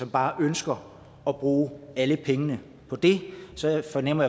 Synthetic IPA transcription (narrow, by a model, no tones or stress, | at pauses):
ɒ̽mb̥ɑ̈ːʔønsɡ̥ɐ | ɒb̥ʁuːæləpʰeŋənə | pʰɒ̽d̥e̝sɒ̽fɒnem̰ɐja